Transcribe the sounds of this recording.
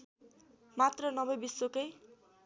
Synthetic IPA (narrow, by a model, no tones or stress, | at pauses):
mat̪rʌnʌbʌjbisːokʌj